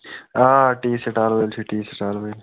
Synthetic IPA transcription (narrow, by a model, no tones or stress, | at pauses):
aːʈiːseʈaːlbɐjlt͡ʃʰiʈiːseʈaːlbəl